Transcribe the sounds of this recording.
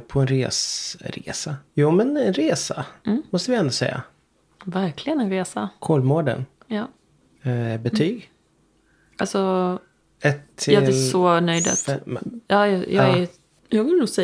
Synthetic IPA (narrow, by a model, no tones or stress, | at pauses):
pʰɔɛnɾḛːsɾḛːsajuːmɛnɛnɾeːsa̰mɔst̪əvɪɛnd̪ʊsɛ̰jːa̰ | væɾklɪɡənɛnɾeːsakʰoːlmoːɖə̰n | jɑː | ɛbɛt̪ʰyːɡ | alsɔ | ɛt̪ʰːɪɑlɛsɔnœjd̪a̰t̪jɑːjɑjɑːɛ | jɑːɡvɪlənuːsɛ